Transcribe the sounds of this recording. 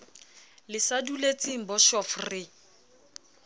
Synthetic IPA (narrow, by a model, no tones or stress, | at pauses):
lɪsadulet͡sʼiŋ̩bɔʃɔfrɪ